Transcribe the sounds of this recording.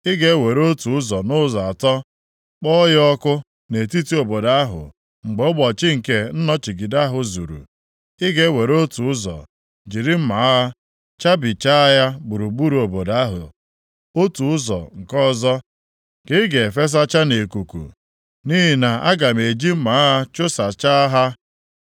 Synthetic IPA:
ɪ˦ɡe˦we˨ɾo˦tu˨ʊ˦zɔ˨nʊ˦zɔ˨a˨tɔ˦ | k͡pɔ˦jɔ˦kʊ˦ | ne˨ti˦ti˦o˨bo˨da˨a˦ɦʊ̰˨ | ŋ͡m̩˨ɡ͡bo˨˦ʊ˦ɡ͡bɔ˨t͡ʃɪ˦ŋ̩˨ke˦n̩˦nɔ˦t͡ʃi˨ɡi˨da˦a˦ɦʊ˨zṵ˨ɾṵ˨ | ɪ˦ɡe˦we˨ɾo˦tu˨ʊ˦zɔ̰˨ | d͡ʒi˨ɾi˦m̩˦ma˨˦a˦ | t͡ʃa˦bi˨t͡ʃa˦a˦ja˦bu˨ɾu˨ɡ͡bu˦ɾu˨o˨bo˨da˨˦ɦʊ̰˨ | o˦tu˨ʊ˦zɔ̰˨ŋ̩˨kɔ˦zɔ˦ | kɪ˦ɡe˨fe˦s̬a˦t͡ʃa˦ne˨ku˨kṵ˨ | ni˦ɦi˨na˨a˦ɡa˨me˨d͡ʒi˦m̩˦ma˨˦ɦa˦t͡ʃʊ˦sa˨t͡ʃa˦a˦ɦa˦

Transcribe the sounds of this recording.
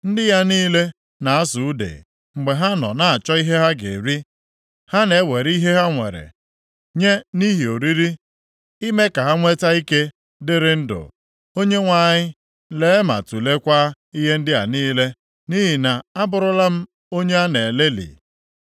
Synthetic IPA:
n̩˦dɪ˦ja˦niː˦le˦ | na˨a˦su˨u˦dḛ˨ | ŋ͡m̩˨ɡ͡be˨ɦa˦nɔ̰˨na˨a˨t͡ʃɔ˦i˦ɦe˦ɦa˦ɡḛ˨ɾi˦ | ha˦ne˨˦we˨ɾi˦ɦe˦ɦa˦ŋʷḛ˨ɾḛ˨ | ɲe˦ni˦ɦi˨o˨ɾi˦ɾi˦ | i˦me˦ka˨ɦa˦ŋʷe˦ta˦i˦ke˦ | dɪ˦ɾɪ˦n̩˦dʊ̰˨ | o˦ɲe˦ŋʷa˦ɲɪ˦ | le˦e˦ma̰˨tu˨le˦kʷa˦ | i˦ɦe˦n̩˦dɪ˦ja̰˨niː˦le˦ | ni˦ɦi˨na˨a˦bʊ˨ɾʊ˨la˦m̩˦ | o˦ɲe˦a˦ne˨le˦lḭ˨

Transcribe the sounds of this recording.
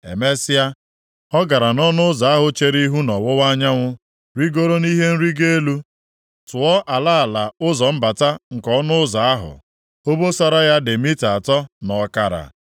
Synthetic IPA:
ḛ˨me˦sɪ˦a˦ | ɔ˦ɡa˨ɾa˨nɔ˦nʊ˦za˨a˦ɦʊ˨t͡ʃe˦ɾi˦ɦu˦nɔ˨wʊ˦wa˦ɲa˦ŋʷʊ˦ | ɾi˦ɡo˦ɾo˦ni˦ɦe˦n̩˦ɾi˦ɡe˦e˦lu˦ | tʊ˨ɔ˦ʔa˨la˦a˨la˨ʊ˦zɔ˨m̩˦ba˨ta˦ŋ̩˨kɔ˦nʊ˦za˨a˦ɦʊ̰˨ | o˦bo˦sa˦ɾa˦ja˦de˨mi˦ta˨tɔ˦nɔ˨˦ka˦ɾa̰˨

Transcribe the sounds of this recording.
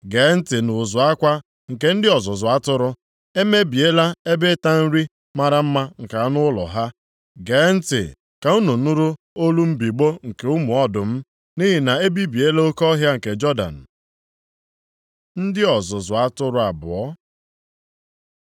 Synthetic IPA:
ɡeː˨˦n̩˦tɪ˨nʊ˨zʊ˨a˦kʷa˦ | ŋ̩˨ke˨n̩˦dɪ˦ɔ˨zʊ˨zʊ˨a˦tʊ˦ɾʊ˦ | e˦me˦bi˨e˦la˦e˦be˦ta˦n̩˦ɾi˦ | ma˦ɾa˦m̩˦ma˦ŋ̩˨ka˨˦nʊ˦lɔ̰˨ɦa˦ | ɡeː˨˦n̩˦tɪ̰˨ | ka˨u˦no˨nʊ˦ɾu˦ | o˦lu˦m̩˦bi˨ɡ͡bo˦ŋ̩˨ke˨ʊ˦mʊ˨ɔ˦dʊ˨m̩˦ | ni˦ɦi˨na˨e˦bi˦bi˨e˦le˦o˦kɔ˦ɦja˦ŋ̩˨ke˨d͡ʒɔ˦da̰˨n̩˨ | n̩˦dɪ˦ɔ˨zʊ˨zʊ˨a˦tʊ˦ɾʊ˨˦a˨bʊ̰˨ɔ˦

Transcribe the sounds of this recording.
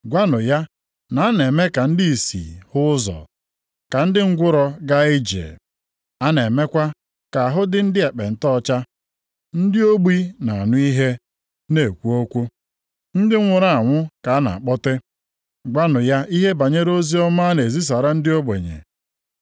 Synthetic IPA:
ɡʷa˦nʊ˨ja˦ | na˨a˦ne˨me˦ka˨n̩˦di˦i˨sḭ˨hʊ˦zɔ̰˨ | ka˨n̩˦dɪ˦ŋ̩˦ɡʷʊ˦ɾɔ˦ɡa˦i˦d͡ʒḛ˨ | a˦ne˨me˦kʷa˦ | ka˨a˨ɦʊ˦dɪ˦n̩˦dɪ˦e˨k͡pe˨n̩˨tɔ˦t͡ʃa˦ | n̩˦dɪ˦o˦ɡ͡bi˦na˨a˨nʊ˦i˦ɦe˦ | ne˨kʷu˦o˦kʷu˦ | n̩˦dɪ˦ŋʷʊ˨ɾa˦˨a˨ŋʷʊ˦ka˨a˦na̰˨k͡pɔ˦te˦ | ɡʷa˦nʊ˨ja˦ʔi˦ɦe˦ba˨ɲe˦ɾo˦zi˦ɔ˦ma˦ne˨zi˦s̬a˨ɾa˦n̩˦dɪ˦o˦ɡ͡bḛ˨ɲḛ˨

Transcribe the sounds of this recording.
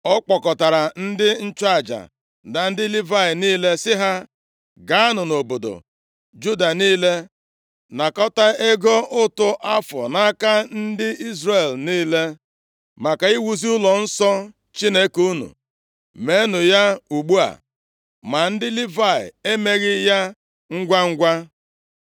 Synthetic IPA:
ɔ˦k͡pɔ˨kɔ˨ta˨ɾa˨n̩˦dɪ˦n̩˦t͡ʃa˨d͡ʒa̰˨ | da˨n̩˦dɪ˦li˦va˦ɪ˨niː˦le˦sɪ˦ɦa˦ | ɡa˦a˦nʊ˨no˨bo˨do̰˨ | d͡ʒu˦da˨niː˦le˦ | na˨kɔ˦ta˦e˦ɡo˦ʔʊ˦tʊ˦ʔa˦fɔ̰˨na˦ka˦n̩˦dɪ˦i˦zre˨lniː˦le˦ | ma˨ka˨i˦wu˦zi˦ʊ˦lɔ˨n̩˦sɔ˦ | t͡ʃi˦ne˦ku˦nṵ˨ | me˨˦nʊ˨ja˦u˨ɡ͡bu˦a̰˨ | ma˨n̩˦dɪ˦li˦va˨ɪ̰˨e˦me˦ɣɪ˦ja˦ | ŋ̩˦ɡʷa˦ŋ̩˦ɡʷa˦

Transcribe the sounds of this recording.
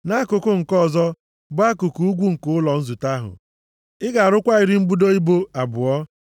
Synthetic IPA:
na˦kʊ˨kʊ˦ŋ̩˨kɔ˦˨zɔ˦ | bʊ˦a˦kʊ˨ku˨u˦ɡʷu˦ŋ̩˨kʊ˦ʊ˦lɔ˨n̩˦zu˨ta˦ɦʊ̰˨ | ɪ˦ɡa˨a˨ɾʊ˦kʷa˦i˨ɾi˦m̩˦bu˦do˦i˦bo˦a˨bʊ˨ɔ˦

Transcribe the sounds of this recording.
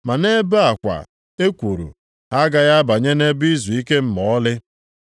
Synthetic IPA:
ma˨ne˦ba˨kʷa̰˨ | e˦kʷu˨ɾṵ˨ | a˦ɡa˦ɣa˦ba˨ɲe˦ne˦bi˦zu˨i˦ke˦m̩˨mɔ˨ɔ˦lɪ˦

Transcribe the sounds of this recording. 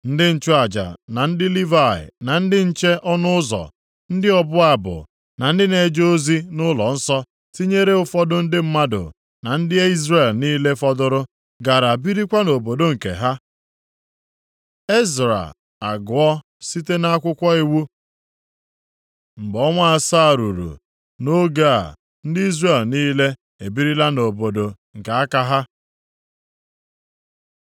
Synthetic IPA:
n̩˦dɪ˦n̩˦t͡ʃʊ˦a˨d͡ʒa̰˨na˨n̩˦dɪ˦li˦va˦˨ɪ̰˨na˨n̩˦dɪ˦n̩˦t͡ʃe˦ʔɔ˦nʊ˦ʊ˦zɔ̰˨ | n̩˦dɪ˦ɔ˦bʊ˦a˨bʊ̰˨ | na˨n̩˦dɪ˦ne˨d͡ʒo˦zi˦nʊ˦lɔ̰˨n̩˦sɔ˦ | ti˦ɲe˦ɾe˦ʊ˦fɔ˦dʊ˦n̩˦dɪ˦m̩˦ma˦dʊ̰˨ | na˨n̩˦dɪ˦e˦i˦zre˦˨lniː˦le˦fɔ˦dʊ˦ɾʊ˦ | ɡa˨ɾa˨bi˦ɾi˦kʷa˦no˨bo˨do˦ŋ̩˨kḛ˨ɦa˦ | e˦zɾa̰˨ | a˨ɡʊ˨ɔ˦ | si˦te˦na˦a˦kʷʊ˦kʷɔ˦i˦wu˦ | m̩˨bɔ˦ŋʷa˦a˨sa˦˨ɾu˨ɾṵ˨ | no˦ɡa˦a̰˨ | n̩˦di˦zre˨lniː˦le˦ | e˨bi˦ɾi˦la˦no˨bo˨do˨ | ŋ̩˨ka˨a˦ka˦ɦa˦

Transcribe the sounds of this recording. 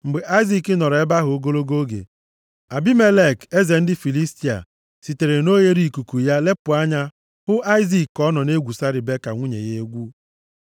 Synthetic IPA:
m̩˨ɡ͡be˨ʔa˦i˦zi˦˨kɪ˦nɔ˨ɾe˦ba˦ɦʊ˨o˦ɡo˦lo˦ɡo˦ɡḛ˨ | a˨bi˦me˦le˦˨ke˦ze˨n̩˦dɪ˦fi˨li˦sti˨a̰˨ | si˨te˨ɾe˨no˦je˦ɾi˦˨ku˨ku˨ja˦le˦pʊ˨a˦ɲa˦ | hʊ˦ʔa˦ɪ˦zi˨kɔ˦nɔ˨ne˦ɡʷu˨sa˦ɾi˨be˦ka̰˨ŋʷu˦ɲḛ˨je˦e˦ɡʷu˦

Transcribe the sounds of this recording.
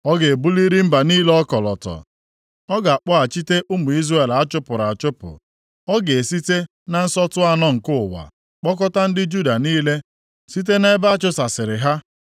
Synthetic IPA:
ɔ˦ɡe˨e˨bu˦li˦ɾi˦m̩˦ba˨niː˦lɔ˦kɔ˨lɔ̰˨tɔ̰˨ | ɔ˦ɡa˨a˨k͡pɔ˦a˨t͡ʃi˦te˦ʔʊ˦mʊ˨i˦zra˦e˨la˦t͡ʃʊ˦pʊ˨ɾa˨a˨t͡ʃʊ˦pʊ̰˨ | ɔ˦ɡe˨si˦te˦ | na˦n̩˦sɔ˦tʊ˦a˦nɔ˦ŋ̩˨kʊ˦ʊ˨wa̰˨ | k͡pɔ˦kɔ˦ta˦n̩˦dɪ˦d͡ʒu˦da˨niː˦le˦ | si˦t̬e˦ne˦ba˦a˦t͡ʃʊ˦sa˨sɪ˨ɾɪ˨ɦa˦

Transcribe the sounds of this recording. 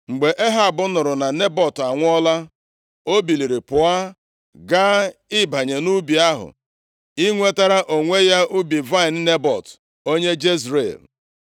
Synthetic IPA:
ŋ͡m̩˨ɡ͡be˨ʔe˦ɦa˨bʊ˦nʊ˨ɾʊ˨na˨ne˦bɔ˨ta˨ŋʷ˦ɔ˦la˦ | o˦bi˨li˨ɾi˨pʊ˨a˦ | ɡaː˦ɪ˦ba˨ɲe˨nu˦bi˨a˦ɦʊ̰˨ | i˦ŋʷe˦ta˦ɾa˦ʔo˨ŋʷe˦ja˦ʔu˦bi˨va˦ɪ˨n̩˦ne˦bɔ̰˨t | o˦ɲe˦d͡ʒe˦zɾḛ˨l

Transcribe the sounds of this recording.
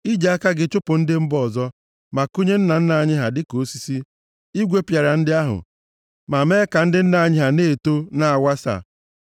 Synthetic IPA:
i˦d͡ʒa˨a˦ka˦ɡɪ˨t͡ʃʊ˦pʊ˨n̩˦dɪ˦m̩˦bɔ˨zɔ˦ | ma˨ko˦ɲe˦n̩˦na˨n̩˦na˨a˨ɲɪ˦ɦa˨dɪ˦ko˨˦si˦si˦ | i˦ɡʷe˦pja˨ɾa˨n̩˦dɪ˦a˦ɦʊ̰˨ | ma˨me˦ka˨n̩˦dɪ˦n̩˦na˨a˨ɲɪ˦ɦa˨ne˦˨to˦na˦a˨wʷa˦sa̰˨

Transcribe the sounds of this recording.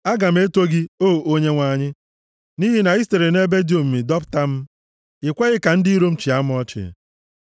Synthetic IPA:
a˦ɡa˨m̩˦e˦to˦ɡi˦o˦˨o˦ɲe˦ŋʷa˦ɲɪ˦ | ni˦ɦi˦na˨i˦ste˨ɾe˨ne˦be˦djo˨m̩˨mi˨dɔ˦pta˦m̩˦ | ɪ˨kʷe˦ɣɪ˦ka˨n̩˦di˦i˦ɾo˦m̩˦t͡ʃi˨a˦m˦ɔ˦t͡ʃɪ̰˨

